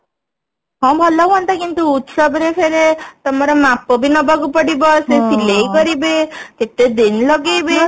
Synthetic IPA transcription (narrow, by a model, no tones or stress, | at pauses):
ɦɔ̃bʱɔlɔwɦɔnt̪akint̪uːt̪sɔbɾepʰeɾet̪ɔmaɾɔmapɔbʱinɔbʱaɡupɔɽibɔsesilejkɔɾibek̪eʈ̪ed̪inlɔɡejbe